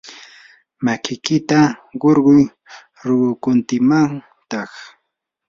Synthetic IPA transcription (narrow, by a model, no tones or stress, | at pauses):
makɪjkɪt̪aɢoɾɢʊj | ɾʊɢʊkʊnt̪ɪmaŋ | t̪ɑχ